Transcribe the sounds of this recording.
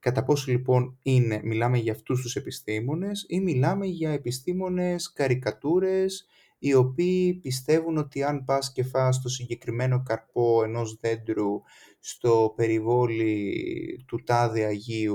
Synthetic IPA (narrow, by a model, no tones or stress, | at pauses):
kɐt̪ɐpo̞solipo̞nine̞milɐme̞ʝɐːft̪ust̪use̞pist̪imo̞ne̞similɐme̞ʝɐe̞pist̪imo̞ne̞skɐɾikɐt̪uɾe̞s | io̞piːpist̪e̞vuno̞t̪iɐnpɐsce̞fɐs̬t̪o̞siɲɟe̞kɾime̞no̞kɐɾpo̞e̞no̞zðe̞nd̪ɾu | st̪o̞pe̞ɾivo̞li | t̪ut̪ɐðiɐʝiu